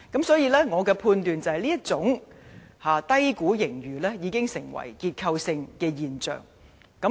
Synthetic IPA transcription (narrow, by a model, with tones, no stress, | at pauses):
kɐ˨˥msɔː˨˥jiː˨˧lɛː˥ŋɔː˨˧kɛː˧pʰuː˧nt̪yː˨nt͡sɐ˨hɐ˨jliː˥jɐ˥t̚t͡sʊ˨˥ŋhaː˨˩t̪ɐ˥jkuː˨˥jɪ˨˩ŋjyː˨˩lɛː˥jiː˨˧kɪ˥ŋsɪ˨˩ŋwɐ̰˨˩jkiː˧t̚kʰɐ˧wsɪ˧ŋkɛː˧jiː˨nt͡ʃœ̰ː˨ŋ | kɐ˨˥